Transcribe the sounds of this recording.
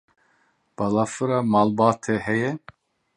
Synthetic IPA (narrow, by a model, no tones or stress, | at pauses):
b̥ɑlafɨɾɑːmɑːlbɑːt̪ʰɛhɛjɛ